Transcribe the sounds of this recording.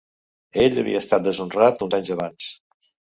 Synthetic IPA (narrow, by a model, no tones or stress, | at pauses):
eʎəβḭəst̪at̪̚d̪əzunrat̪unzaɲzəβans